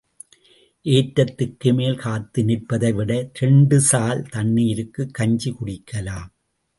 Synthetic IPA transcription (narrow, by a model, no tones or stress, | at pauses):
ʔeːʈɾɐt̪ːɯkːɯmeːlkaːt̪ːɯnɪʈ̚pɐðɐɪʋɪɽɐɾɛɳɖɯsaːlt̪ɐnːɪjɪɾɯkːɯkːɐɲd͡ʒikʊɽɪkʰːɐlaːm